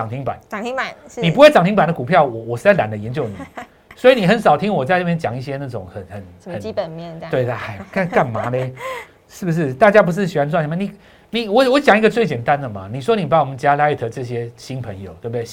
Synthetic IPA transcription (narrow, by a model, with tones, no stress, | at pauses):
ɑ˨˩ŋt̪ʰi˦˥ŋpa̰˨˩˦n˨˥˨ni˨˩pu˥xwe˥˩ɑ˨˩ŋt̪ʰi˥ŋpa˨˩nd̪ə˩ku˨˩pʰjɑ˥˩ʊwɔ˨˦wɔ˨˩ʂ̩˥˧t͡sla˨˩˦nd̪ə˨jɛ˧˦nt͡ɕjo˥˩ʊni˨˦ | swɔ˧˥i˨ni˨˩xə˨˦nsɑ˨ʊt̪ʰi˦ŋwɔ˨˩t͡sa˥˧ɪna˥˩jɛ˥nt͡ɕjɑ˨˦ŋi˥˩ɕ̬jɛ˦na˥˩ʈ͡ʂʊ˨˩ŋxə˨˩nxə˨˩nxə˨˦˨we˥˧ɪa˥˧˩xa˧˩ɪka˥˧nka˥˩nma˨˦de˦ | ʂɻ̩˥˩bu˩ʂ̬ɻ̩˥˩t̪a˥˩t͡ɕja˦˥p̬u˧˥ʂ̬ɻ̩˥˩ɕi˨˩wa˦˥nt͡s̬ʰwnʰ˧˥ma˧˩ni˨˩ | ni˨˩wɔ˨˦wɔ˧˦t͡ɕjɑ˨˩ŋi˧˥ɡə˧t͡swe˥˩ɪt͡ɕjɛ˨˩nt̪a˦nd̪ə˨ma˨ni˨˩ʂ̬wɔ˦˥ni˨˩pa˧˦wɔ˨˩mə˨nt͡ɕja˥la˥i˨˩t̪ʰɤ˧ʈ͡ʂɤ˥˧˩ɕjɛ˦ɕi˦˥npʰə˧˦ŋjo˨˩ʊt̪we˥˩bu˩e˥˨